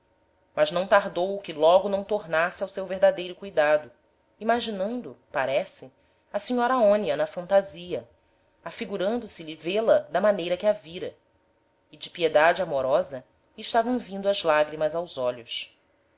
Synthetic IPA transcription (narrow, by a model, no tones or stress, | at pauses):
mɐznɐ̃w̃t̪aɾd̪owkɪlɔɡʊnɐ̃w̃t̪oɾnasɪawsewveɦd̪ad̪ejɾʊkujd̪ad̪ʊ | imaʒinɐ̃nd̪ʊpaɾɛsɪ | ɐsiɲɔɾaõniɐnɐfɐ̃nt̪aziɐ | afiɡuɾɐ̃nd̪ʊsɪʎivelɐd̪ɐmanejɾɐkɪaviɾɐ | ɪd͡ʒɪpied̪ad͡ʒɪamoɾɔzɐ | ɪʃt̪avɐ̃w̃vĩnd̪ʊɐzlaɡɾimɐzawzɔʎʊs